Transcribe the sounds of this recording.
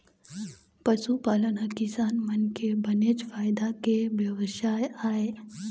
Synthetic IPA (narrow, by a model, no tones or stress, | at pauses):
pɐʃupaːlənakɪsaːnmɐnkebɐned͡ʒfaːjd̪akeʋjɐʋəʃaːjaːeː